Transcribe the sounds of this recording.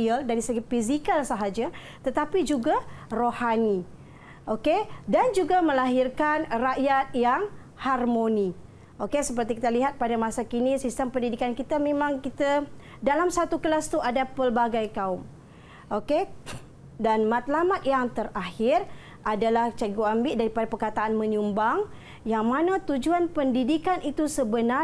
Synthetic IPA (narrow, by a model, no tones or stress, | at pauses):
əldaɾisəɡafizikalsəɦad͡ʒa | t̪ət̪apid͡ʒuɡarohani | ʔokedand͡ʒuɡamə̃laɦirkanraʔjat̪̚jaŋ | harmoni | ʔokesəp̬ərt̪ikit̪aliɦat̪̚padamasakinisist̪əmpəndidikankit̪amẽmãŋkit̪a | dalamsat̪ukəlast̪uʔadapərbaɡajkaʊm | ʔoke | danmãt̪lamat̪̚jaŋt̪əɾahɪr | ʔadalaht͡ʃaɡuambɪʔdaɾipadapərkat̪aanmə̃ɲumbaŋ | jaŋmanat̪ud͡ʒuanpəndidikanʔit̪usəbəna